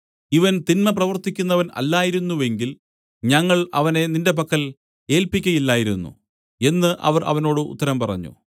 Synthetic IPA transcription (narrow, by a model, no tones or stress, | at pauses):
iʋɐnt̪inmɐp̬rɐʋɐrt̪ikʲːunːɐʋɐnɐ̰lːaːjiɾunːuʋe̞ŋɡil | ɲɐŋːɐɭɐʋɐne̞ninde̞p̬ɐkːɐl | e̞ːlpikʲːɐjilːaːjiɾunːṵ | e̞nːɨʔɐ̰ʋɐrʔɐ̰ʋɐno̞ːɽɨṵt̪ːɐɾɐmpɐrɐ̰ɲːṵ